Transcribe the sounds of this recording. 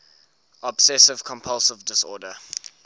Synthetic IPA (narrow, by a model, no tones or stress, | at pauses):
ɔbsɛsɪv̥kʰɔ̃mpʰʌlˠsɪvdɪsɔːdə